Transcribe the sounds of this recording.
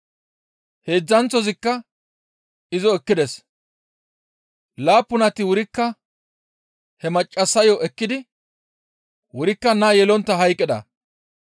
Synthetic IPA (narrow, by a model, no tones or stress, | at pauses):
he̞ːd͡zːɐnt͡sːɔzɪkːɐ | ɪzɔɛkːɪd̪ɛs | laːpːʊnɐt̪ɪwʊɾɪkːɐ | hɛmɐt͡ʃʼːɐsːɐjɔʔɛkːɪd̪ɪ | wʊɾɪkːɐnɐjɛlɔnt̪ːɐɦɐjkʼːɪd̪ɐ̰